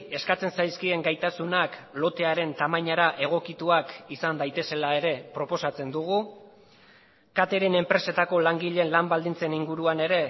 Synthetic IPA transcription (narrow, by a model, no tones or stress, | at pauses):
e̞skat͡se̞nsajskie̞ŋɡajt̪asunaklo̞t̪e̞aɾe̞nt̪amajɲaɾaʔe̞ɣ̞o̞kit̪uakisand̪ajt̪e̞se̞lae̞ɾe̞pɾo̞po̞sat͡se̞nd̪uɣ̞u | kat̪e̞ɾe̞ne̞mpɾe̞se̞t̪ako̞laŋɡiʎe̞nlambald̪int͡se̞niŋɡuɾuane̞ɾe̞